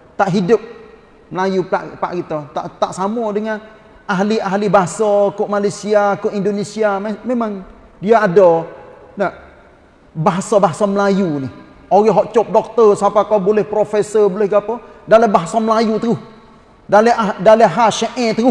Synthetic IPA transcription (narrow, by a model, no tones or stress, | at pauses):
t̪aʔɦidʊp̚ | məlajupa̰ʔpa̰ʔɡit̪ɔt̪a̰ʔt̪aʔsamɔdəŋan | aɦliaɦlibaɦasɔkoʔmalajsiakoʔindonisiammemaŋ | diaadɔ | naʔ | baɦasɔbaɦasɔməlajunih | oɣɛɦɔʔt͡ʃɔp̚dɔk̚t̪ərsapakawbolɛhpɾofɛsəbolɛhɡapɔdaləbaɦasɔməlajut̪əʊh | daləadaləɦaʃəʔɛ̃t̪əɣʊh